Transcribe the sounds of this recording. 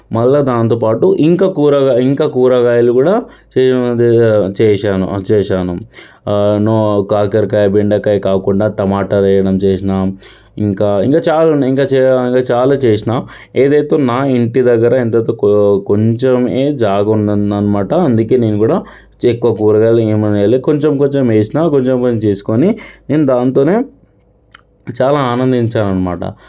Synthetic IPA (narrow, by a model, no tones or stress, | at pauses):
mɐlːad̪aːnt̪oːpaːʈuʔiŋkaːkuːɾɐɡaːiŋkaːkuːɾɐɡaːjɐlukuːɽaːt͡ʃeːd̪t͡ʃɛːʂaːnṵt͡ʃɛːʂaːnu | noːkaːkɐɾkaːjɐbeɳɖɐkɐjkaːkuɳɖaːʈɐmaːʈɐɾɛjɐɽɐmt͡ʃeːʂinaː | iŋkaːiŋkaːt͡ʃaːluniŋkaːt͡ʃːiŋkaːt͡ʃaːlaːt͡ʃeːʂ̬inaː | e̞ːd̪ɐjt̪e̞ːnaːiɳʈid̪ɐɡːɐɾɐent̪ɐt̪oːkkoɲt͡ʃemeːd͡ʒaːɡɐunɐɐnːɐmaːʈɐɐnd̪uke̞ːne̞ːnukuːɽaː | t͡ʃekːʋɐkuːɾɐɡɐleːmɐneːleko̞ɲt͡ʃemko̞ɲt͡ʃemeːsinaːkoɲt͡ʃempɐnːit͡ʃeːsu̥konine̞ːnud̪aːnt̪o̞ːne̞ː | t͡ʃaːlaːaːnɐnd̪iɲt͡ʃaːnɐnːɐmaːʈɐ̰